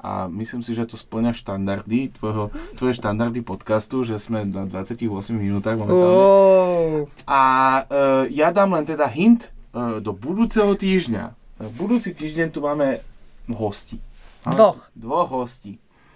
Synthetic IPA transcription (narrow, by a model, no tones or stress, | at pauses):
ʔa̰misliːmsiʒɛt̪ɔspl̩ɲaʃt̪and̪aɾd̪it̪ʋɔjɦɔt̪ʋɔjɛʃt̪and̪aɾd̪ipɔt̪kast̪uʒɛzmɛnad̪ʋat͡sɪjaciɣʋɔsmiɣminuːt̪aːɣmaːmɛ | ʔa | jad̪aːmlɛnt̪ɛd̪aɦint̪d̪ɔbud̪uːt͡sɛɦɔt̪iːʒɲa̰bud̪uːt͡sit̪iːʒɟɛɲt̪umaːmɛɦɔsciːmaɔxd̪ʋɔɣɦɔsciː